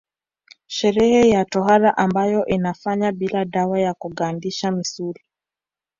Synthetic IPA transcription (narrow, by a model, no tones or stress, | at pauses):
ʃɛɾɛhɛjatɔɦaɾaʔambajɔʔinafaɲaɓilaɗawajakuɠandiʃamisuli